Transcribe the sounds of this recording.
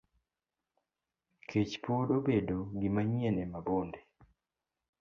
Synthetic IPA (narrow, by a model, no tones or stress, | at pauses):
kʰet͡ʃpodobedoɡɪmaɲɛlɛmabonde